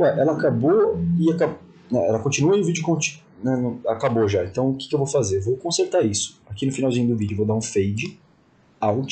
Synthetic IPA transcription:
ɛʔɛlɐaakaboɪaka | nɛɛ̰lɐkõt͡ʃĩnuɐiʊvid͡ʒʊkõt͡ʃi̥ | nɛñakaboʒaẽnt̪ɐ̃w̃ʊkɪ̥kɪewvowfazeɾvowkõseɾt̪aɾisʊ̥akinʊfinawzĩɲʊd̪ʊvid͡ʒʊvod̪aɾũfejd͡ʒɪ | awɡ̃t͡ʃ

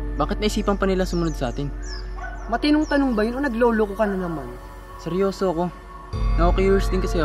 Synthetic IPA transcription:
baːkɪt̪nɐʔɪsiːpɐnpɐnɪlasʊmɐnod̪̚sɐʔaːt̪ɪn | mɐt̪ɪnʊŋt̪ɐnʊŋbɐjononɐɡloːlokokɐnɐnɐman | sɛɾjo̞ːsoɐko̞ | nɐʔoːkɛjɪɹsd̪ɪŋkɐsɛ

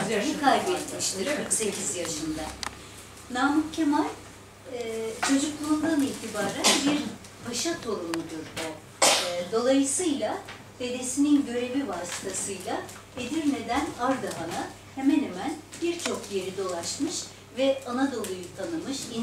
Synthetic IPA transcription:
zenikʰajbɛt̪miʃt̪ʰiɾkʰɯɾkse̞cʰizjaʃɯnd̪a | naːmucʰːemaɾʲ | t͡ʃʰo̞d͡ʒuklˠuːnd̪aniçt̪ʰibaːɾænbiɾ | baʃat̪ʰo̞ɾunud̪uɾbo | d̪o̞lˠajɯsɯjlˠa | d̪̥e̞d̪e̞sininɟø̞ɾe̞vivaːsi̥t̪ʰasɯjlˠa | ed̪iɾme̞d̪ænaɾd̪aɦana | hemɛnhemænb̥iɾt͡ʃʰo̞k̚je̞ɾid̪o̞lˠaʃmɯʃ | vɛanad̪o̞lˠujut̪ˠanɯmɯʃin

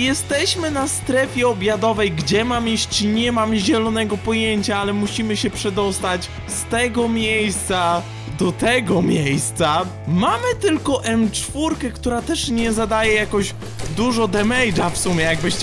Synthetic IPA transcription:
jɛst̪ɛɕmɘnast̪ɾɛfʲjɛɔbʲjad̪ɔvɛjɡd͡ʑɛmamjiɕt͡ɕiɲɛmamʑɛlɔnɛɡɔpɔjeɲt͡ɕaalɛmuɕimɘɕɛpʂɛd̪ɔst̪at͡ɕ | st̪ɛɡɔmʲjejst̪sa | d̪ɔt̪ɛɡɔmʲjejst̪sa | mamɘt̪ɘlkɔʔɛmt͡ʂfuɾkɛkt̪uɾat̪ɛʂɲɛzad̪ajɛjakɔʑ | d̪uʐɔd̪ɛmɛjd͡ʐafsumʲjɛjaɡ̚bɘɕt͡ɕ

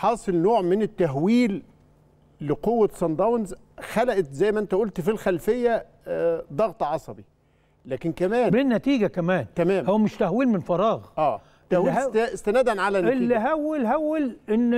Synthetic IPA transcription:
ħɑːsˤɨlnoːʕmɪnɪt̪ːæɦwiːlː | ɪqowːæsɑnd̪ˤɑwnz | xælæʔæt̪zæjːmæʔænt̪æʔolt̪filxælfejːæ | d̪ˤɑɣt̪ˤʕɑsˤɑbi | læːkɪnkæmæːnbenːæt̪iːɡækæmæːnt̪æmæːmhowːæmɪʃt̪æhwiːlmɪnfɑɾˤɑːɣʔæː | t̪ːæhwiːhæt̪st̪ænæːd̪ænʕalænɪlːiɦæwːelɦæwːelʔɪnː

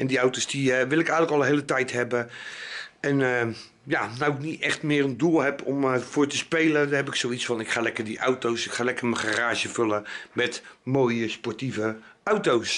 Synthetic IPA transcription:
ɛndiawtosdiʋɪlˠɪkɛjənləkɔlˠənɦeːlətɛjthɛbə | ɛnə | janawɪknitɛxtmɪːrəndulˠhɛpʰɔmfʊːɹtəspejlədəɦɛpɪksowisfɑnɪkχaːlɛkərdiʔawtowsɪkχaːlɛkəɹməχaraːʒəføləmɛtmoːjəspɔɹtivə | ʔawtows

